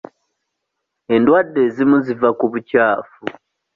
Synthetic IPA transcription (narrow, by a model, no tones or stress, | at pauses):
e̞ndwadːe̞zimuzivakuβucaːfu